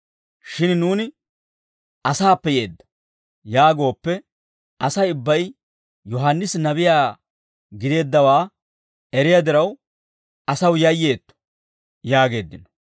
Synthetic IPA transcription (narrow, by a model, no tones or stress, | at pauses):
ʃɪnnuːnɪ | ʔɐsaːpːɛje̞ːd̪ːɐ̥ | jaːɡo̞ːpːɛ | ʔɐsɐjʊbːɐj | jɔɦanːɪsnɐβɪjaː | ɡɪd̪e̞ːd̪ːɐwaː | ɛɾɪjad̪ɪɾɐw | ɐsɐwjɐjːe̞ːt̪ːɔ̥ | jaːɡe̞ːd̪ːɪnɔ